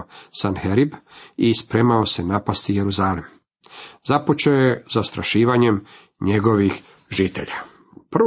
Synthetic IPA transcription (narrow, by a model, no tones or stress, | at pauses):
sanxeɾibispɾeːmao̞se̞napast̪ijeɾuzaːlim | zapot͡ʃaojezast̪ɾaʃiːʋaɲem | ɲe̞ɡo̞ʋix | ʒiːt̪e̞̰ʎa | pr̩